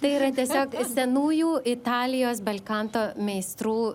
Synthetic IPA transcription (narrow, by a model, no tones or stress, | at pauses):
t̪ɐɪiːɾɐt̪ʲiɛsʲoːksʲɛnuːjuːɪt̪ɑːlʲɪjoːsbɐlʲkɑnt̪oːmʲɛɪst̪ɾuː